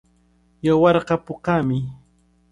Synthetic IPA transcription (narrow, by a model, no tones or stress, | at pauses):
jawɑɾqɑpʊqɑmɪ